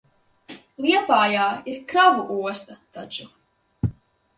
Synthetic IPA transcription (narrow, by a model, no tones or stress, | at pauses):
lˠiɛpaːjaːiɾkɾavuʔuɔst̪at̪at͡ʃu